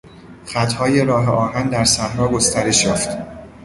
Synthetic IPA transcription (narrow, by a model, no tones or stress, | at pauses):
χæt̪hɒːje̞ɾɒːɦeʔɒːɦænd̪æɾsæhɾɒːɡost̪æɾe̞ʃjɒːft̪